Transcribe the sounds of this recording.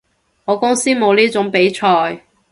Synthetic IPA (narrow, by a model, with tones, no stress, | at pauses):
ŋɔː˨˧kʊ˥ŋsiː˥mo˨˧wliː˥t͡sʊ˨˥ŋpe˨˥jt͡ʃʰɔː˧j